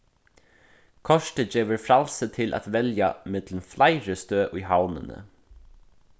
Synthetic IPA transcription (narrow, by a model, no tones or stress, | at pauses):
kʰɔʃʈəd͡ʒeːʋəɾfɾalsət̪ʰɪlʔæ̰t̪ʋɛlja̰mɪt̪lnflaɪɹəst̪øːʔʊjɦawnə̰nə̰